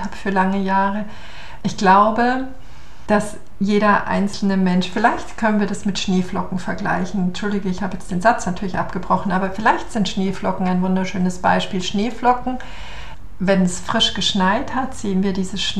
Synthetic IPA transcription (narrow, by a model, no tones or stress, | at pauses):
haːbfyːɐlaŋəjaːʁə | ʔɪçɡ̥laʊbə | d̥as | jeːɾɐʔa̰ɪnt͡sl̩nəmɛnʃfɪlaɪçtkʰœnənviːɐdasmɪtʃneːflɔkŋ̩fɛɐɡla̰ɪçn̩t͡ʃʊldɪɡəɪçhaːbəjɛt͡sd̥eːnzat͡snatʰyːɐlɪçʔa̰pɡ̥əbʁɔχn̩ʔaːbɐfɪlaɪçtz̥ɪntʃneːflɔkŋ̩aɪnvʊndɐʃøːnəsb̥a̰ɪʃpiːlʃneːflɔkŋ̩ | vɛnɛsfʁ̥ɪʃɡ̥əʃnaɪthatz̥eːənviːɐdiːzəʃ